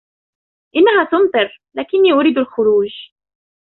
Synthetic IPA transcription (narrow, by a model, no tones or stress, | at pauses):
ʔɪnːaɦaːt̪ʊmt̪ˤɨɾlaːkɪnːiːʔʊɾiːd̪alxʊɾuːʒ